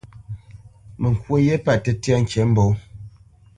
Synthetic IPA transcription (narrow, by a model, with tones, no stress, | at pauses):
mə˨ŋ˨kwo˦je˦pa˦˨te˨tja˦ŋ̩˨ke˨˦m̩˦bo˨˦